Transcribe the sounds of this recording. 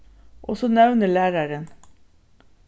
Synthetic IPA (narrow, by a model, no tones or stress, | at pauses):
ʔɔsɔnɛʋnəɭæːɾɑɾən